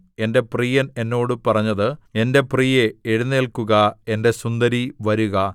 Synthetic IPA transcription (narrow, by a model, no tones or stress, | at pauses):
e̞nde̞priːjɐne̞nːo̞ːɽɨpɐrɐɲːɐðɨe̞nde̞priːjeeɻunːeːlkuɣɐe̞nde̞sund̪ɐɾiʋɐɾuɣɐ